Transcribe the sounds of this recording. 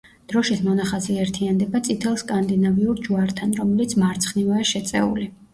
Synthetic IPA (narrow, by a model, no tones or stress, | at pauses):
d̪̥ɾɔʃismɔnaχaziɛɾt̪ʰiand̪ɛbat̪sʼit̪ʰɛlˠskʼand̪inaviuɾd͡ʒuaɾt̪ʰanɾɔmɛlit̪sʰmaɾt̪sʰχnivaːʃɛt̪sʼɛ̰ṵli